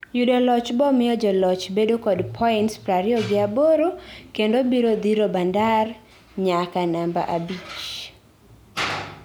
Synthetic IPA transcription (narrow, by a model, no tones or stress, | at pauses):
judɔlɔt͡ʃbɔmɪjɔd͡ʒɔlɔt͡ʃbedokɔdpʰɔɪntspɾaɾɪɔɡɪaboɾokendobiɾod̪iɾobandar | ɲakanamba̰ʔabit͡ʃ